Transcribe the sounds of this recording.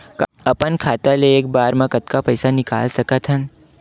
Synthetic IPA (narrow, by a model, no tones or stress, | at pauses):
k | ɐpənkʰaːt̪aleeːk̚baːɾmãkɐt̪kapɐɪsanɪka̰ːlsɐkət̪ɦən